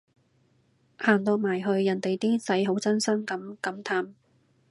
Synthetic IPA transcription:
haː˨˩nt̪ɔː˧k̚maː˨˩jɦɵ˧ɥːɐ˨˩nt̪e˨jt̪iː˥sɐ˨˥jɦo˨˥wt͡sɐ˥nsɐ˥ŋkɐ˨˥mkɐ˨˥mt̪ʰaː˨˧m

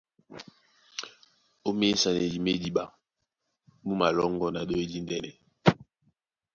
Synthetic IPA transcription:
o˦me˦sa˨ne˨d͡ʒi˨me˦di˦ɓa˨˦ | mu˦ma˨lɔ˦ŋɡɔ˦na˨ɗo˦e˦di˦n˦dɛ˦nɛ̰˨

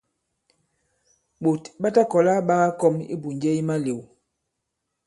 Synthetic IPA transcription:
ɓo˨tɓa˦ta˦kɔ˨la˦ɓa˦ɣa˦kɔ˦mḭ˦bu˨nd͡ʒɛ˦i˦ma˦le˨w

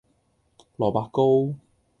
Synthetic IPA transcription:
lɔː˨˩paː˧ko˥w

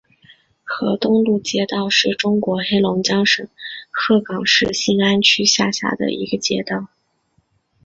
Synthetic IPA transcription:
xɤ˧˥t̪ʊ˥ŋlu˥˩t͡ɕjɛ˥t̪ɑ˥˧ʊʂɻ̩˥˩ʈ͡ʂʊ˥ŋkwɔ˧˥xe˥ɪlʊ˧˥ŋt͡ɕjɑ˥ŋʂɤ̰˨˩ŋxɤ˥˩kɑ˨˩ŋʂɻ̩˥˧ɕi˥ŋa˥nt͡ɕʰy˥ɕja̰˥˧˩ɕja̰˥˩d̪ə̰˩ḭ˧˥ɡə˧t͡ɕjɛ˥t̪ɑ˥˩ʊ

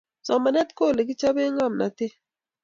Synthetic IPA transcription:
sɔ˨mma˨nɛ˦t̚ko˦˨le˨k̬i˦t͡ʃa˦be˦ŋa˦˨mna̰˨te˦

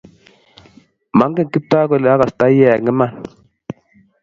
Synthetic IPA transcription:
ma˨˦ŋɡe˦˨ki˦p̚ta˦ko˨le˨a˦ka˨sta˦i˦a˦ja˨ŋi˦ma˦˨n

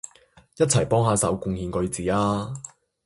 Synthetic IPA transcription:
jɐ˥t̚t͡sʰɐ˨˩jpɔː˥ŋhaː˨˧sɐ̰˨˥wkʊ˧ŋhiː˨˧nkɵ˧ɥt͡siː˨˥aː˧

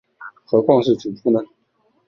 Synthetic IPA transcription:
xɤ˧˥kwɑ˥˧ŋʂɻ̩˥˩ʈ͡ʂu˨˩fu˥nə˧

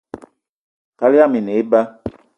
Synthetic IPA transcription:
ka˦li˦a˦mi˨ne˨i˦ba˦

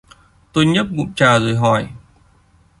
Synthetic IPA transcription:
t̪o˧jɲə˦˥p̚mṵ˧˨ŋ͡mt͡ɕaː˨˩zo˨˩jɦɔ˨˩j

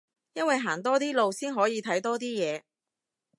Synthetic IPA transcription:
jɐ˥nwɐ˨jɦaː˨˩t̪ɔː˥t̪iː˥lo˨wsiː˥nɦɔː˨˥jiː˨˧t̪ʰɐ˨˥jt̪ɔː˥t̪̬iː˥jɛː˨˧

